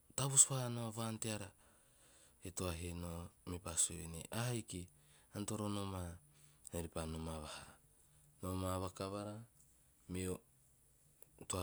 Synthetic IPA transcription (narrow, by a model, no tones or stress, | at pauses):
taβusβahnoaβanteaɾa | etoaɦenomipasoenḛʔahajki | anto̞ɾo̞no̞maeɾipanomaβaha | nomaβakaβaɾa | me | toa